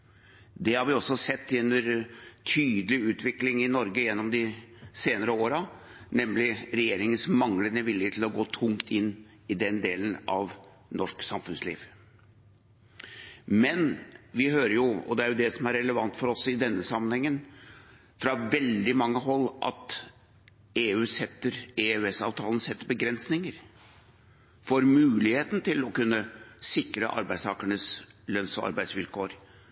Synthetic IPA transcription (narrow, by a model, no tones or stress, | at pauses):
d̪ɛhɑɾʋɪɔsːɔsɛt̪ːjɛnːəɾt̪ʰyːd̪əlɪʉːt̪ʰʋɪklɪŋɪnɔɾɡəjɛnːɔmd̪ɪseːnəɾəoːɾɑ | nɛmlɪɾɛjeːɾɪŋənsmɑŋlənəʋɪljət̪ʰɪl̩ɔɡoːt̪ʰʊŋt̪ɪnː | ɪd̪ɛnd̪eːlənɑ̰ʋ | nʔɔʂksɑmfʉnslḭːʋ | mɛnʋɪɦøːɾəɾjʊɔ̰d̪ɛæɾjʊd̪ɛsɔmæɾɛləʋɑnt̪fɔɾɔsɪd̪ɛnːəsɑmːənhɛŋːən | fɾɑʋɛld̪ɪmɑŋːəɦɔlːʔɑ̰t̪ | eːʉːsɛt̪ːəɾeøɛsɑ̰ːʋt̪ʰɑːln̩sɛt̪ːəɾbəɡɾɛnsnɪŋəɾ | foːɾmʉːlɪheːt̪n̩t̪ʰɪlɔkʉnːəsɪkɾəʔɑ̰ɾbæɪst̪ʰɑːkəɳəslœnsɔ̰ɑ̰ɾbæɪsʋɪlkʰoːɾ